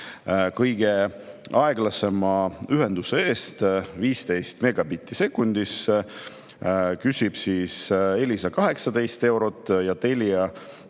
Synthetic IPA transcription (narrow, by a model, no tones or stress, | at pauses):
kɤjɡ̥e̞ | ɑeɡlɑse̞mɑyɦe̞nd̪useeːst̪viːst̪e̞jst̪me̞ɡ̥ɑbit̪ˑːise̞kːˑund̪̥is | kysʲib̥siːse̞lʲisɑkɑɦe̞ksɑd̪e̞jst̪e̞wɾo̞t̪ˑːjɑt̪e̞lʲiɑ